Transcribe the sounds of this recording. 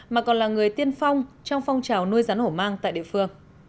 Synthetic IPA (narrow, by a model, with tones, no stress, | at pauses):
maː˨˩kɔ˨˩nlaː˨˩ŋɨ˨˩əjt̪i˧ənfa˧wŋ͡mt͡ɕɔ˧wŋ͡mfɔ˧wŋ͡mt͡ɕaː˨˩wnu˧əjzaː˨˦nho˧˩maː˧ŋt̪a̰ː˧˨jɗḭ˧˨ə˨fɨ˧əŋ